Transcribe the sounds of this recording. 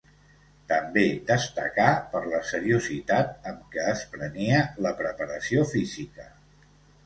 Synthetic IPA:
t̪əmbed̪əst̪ə̰kapəɾləsəɾiuzit̪at̪̚əmkəːspɾəniələpɾəpəɾəsiofizikə

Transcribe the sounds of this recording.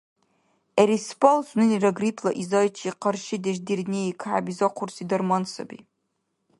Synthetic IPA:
eɾispalsnɨniraɡripʰlaʔizajt͡ʃʰiqarʃɪdaʒdirnʲeikʰʕabizaqʷʰʊrsidarmansa̰bḭ

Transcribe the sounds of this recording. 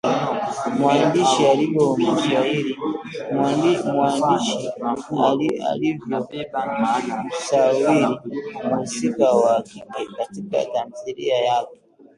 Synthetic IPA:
mwandiʃialikɔmuziahili | mwandiʃiaa̰livjɔ | sawilimusikawaːkikɛkatika̰tam̩θilḭajakɔ

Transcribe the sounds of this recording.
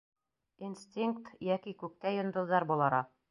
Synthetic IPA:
insʲt̪ʲiŋk̚t̪jækikʉk̚t̪æjŏnd̪ɤ̆ððɑɾbulˠɑɾɑ

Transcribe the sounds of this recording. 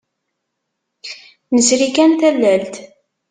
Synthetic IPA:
nəsɾikænt̪ælːælt̪

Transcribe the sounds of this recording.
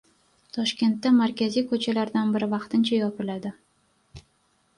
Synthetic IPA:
t̪ʰɒʃkʲe̞nt̪ːamaɾkʲʰazijkʰɵt͡ʃʰalaɾd̪anbɪɾɪvɑqt̪ʰɪnt͡ʃʰajɒpɪlad̪ɪ

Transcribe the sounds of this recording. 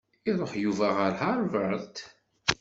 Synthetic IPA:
iðˤoħjuvæʁəɾhaɾˤvəɾt̪

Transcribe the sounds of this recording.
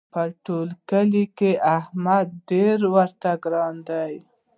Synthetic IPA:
pəʈolkəlikeʔahmad̪̚ɖeɾwəɾt̪aɡɾɑnd̪aj

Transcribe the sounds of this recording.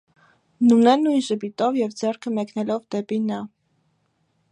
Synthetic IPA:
nunɛnujnʒəbit̪ɔvjɛvd͡zɛrkʰəmɛknɛlɔvd̪ɛpinɑ

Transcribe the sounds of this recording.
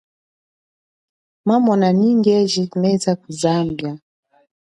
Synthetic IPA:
mamɔnaniŋɡɛʒikmɛzakuzambja

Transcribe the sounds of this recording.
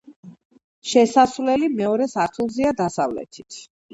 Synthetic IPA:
ʃɛsasvlɛlimɛɔɾɛsaɾt̪ʰilˠziad̪asavlɛ̰t̪ʰi̥t̪ʰ

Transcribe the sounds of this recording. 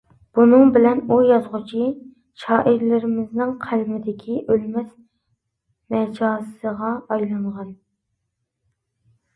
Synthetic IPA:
b̥unɨŋbɪlɛnujɑzʁʊt͡ʃʰi | ʃɑːʔɪɾlɪɾɪmɪznɪŋqʰælmɪd̪ɪkʲʰiʔølmɛs | mɛd͡ʒɑːssəʁɑɑjlˠɨɴʁɑn

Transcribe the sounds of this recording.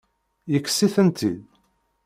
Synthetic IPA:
jəkːsiθənt̪ʰḭd̪

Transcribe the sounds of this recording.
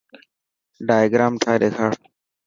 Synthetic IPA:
ɖaːjɡɾaːmʈʰaːɗeːkʰaː

